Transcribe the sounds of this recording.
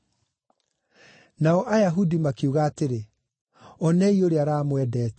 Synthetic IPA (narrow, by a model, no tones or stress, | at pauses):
naɔʔajaɦudimakiuɣaːteɾe | ɔnɛioɾeaɾaːmwɛdɛːt